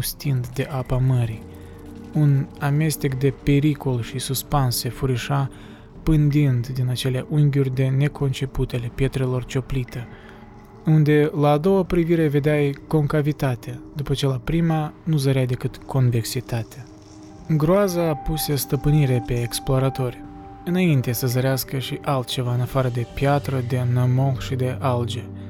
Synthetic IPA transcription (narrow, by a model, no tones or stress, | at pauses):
st̪ind̪d̪e̞ʔapaməɾi | uname̞st̪ikd̪e̞pe̞ɾiko̞lʃisuspanse̞fuɾiʃa | pɨnd̪ind̪d̪inat͡ʃe̞leʔuŋɡʲurʲd̪e̞ne̞kʰo̞nt͡ʃe̞put̪eale̞pje̞t̪ɾe̞lo̞rt͡ʃo̞plit̪e | und̪e̞laːd̪o̞wapɾiviɾe̞ve̞d̪eajko̞ŋkavit̪at̪ed̪upət͡ʃe̞lapɾimanuzəɾeajd̪e̞kɨt̪kʰo̞nve̞ksit̪at̪e | ɨŋɡɾoazapuse̞st̪əpɨniɾe̞pe̞ːksploaɾat̪o̞rʲ | ɨnaint̪e̞səzəɾeaskəʃiʔalt̪̚t͡ʃe̞vaɨnafaɾəd̪e̞pjat̪ɾəd̪e̞nəmolʃid̪e̞ʔald͡ʒe